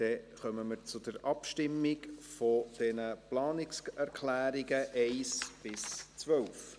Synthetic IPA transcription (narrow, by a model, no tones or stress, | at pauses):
d̥ɛχœməməɾt͡sʊd̥əɾɑpʃtɪmːɪɡfod̥ɛnəplɑːnɪksɛɾkʰlæːɾiɡəʔɛɪsb̥ɪst͡svœlf